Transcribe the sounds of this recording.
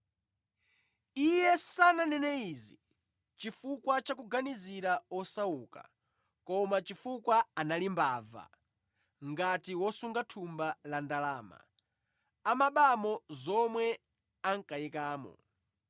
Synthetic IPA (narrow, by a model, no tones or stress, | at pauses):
ijɛsananɛnɛizi | t͡ʃifukwat͡ʃakuɡaniziɾaɔsauːka̰ | kɔmat͡ʃifukwaanalimbaːva̰ | ŋɡatiwɔsuŋɡatʰumbalandalaːma̰ | amaɓamɔzɔmwɛ | aŋkajikaːmɔ̰